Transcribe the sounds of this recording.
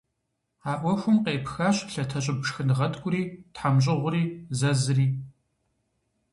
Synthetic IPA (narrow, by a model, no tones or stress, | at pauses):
aːʔʷɔxʷʊmqeːpxaːɕɬɐtʰɐɕʼɪbʂxɨnʁɐdɡʷʼʊɾiːtħamɕ̬ʼɪʁʷʊriːzɐzɨriː